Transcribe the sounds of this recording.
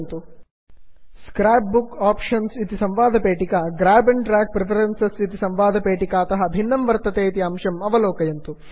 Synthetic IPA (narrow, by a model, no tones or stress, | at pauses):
nt̪u | skɾaːp̚bukaːpʂɐnsit̪isɐmʋaːd̪ʱɐpeːʈikɐɡɾaːbɐnʈɾaːk̚pɾepʰɐɾensesit̪isɐmʋaːd̪ʱɐpeːʈikaːɐt̪ɐɦɐbʱinːɐmʋɐɾt̪ɐt̪eːit̪iɐmʃɐmɐʋɐlɔːkɐjɐnt̪u